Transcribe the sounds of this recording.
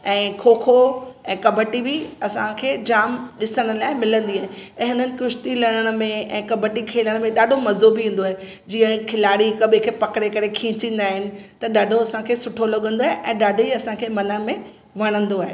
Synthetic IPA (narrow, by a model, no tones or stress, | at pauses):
ɛ̃ːkʰoːkʰoɛ̃ːkɐbʱəʈibiɐsãkʰeːd͡ʑaːmɗɪsəɽ̃ʊ̆laːɪmɪlə̃nd̪iaːɦeɛ̃ːɦʊn̤ənɪ̆kʊʃt̪ilɐɽ̃əɽ̃ʊmẽɛ̃ːkɐbʱəʈikʰeːləɽ̃mẽɗaːɖʱomɐzobʱiɦĩːn̆d̪oaːe | d͡ʑiːə̃kʰɪlaːɽikɐɓʱẽkʰeːpɐkɽekɐɾekʰĩːt͡ɕĩːn̆d̪aːɦɪnɪ̆t̪ɐɗaːɖʱoɐsãkʰeːsʊʈʰolɐɠə̃nd̪oaɦeʔɛ̃ːɗaːɖʱoiɐsãkʰeːmɐnəmẽ | ʋɐɽ̃ə̃nd̪oaːɦeː